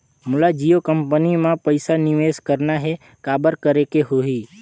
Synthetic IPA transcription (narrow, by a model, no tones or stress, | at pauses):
mʊlad͡ʒijokəmpənimãpəɪsanɪʋeskəɾnaɦe | kaːbəɾkəɾekeɦoiː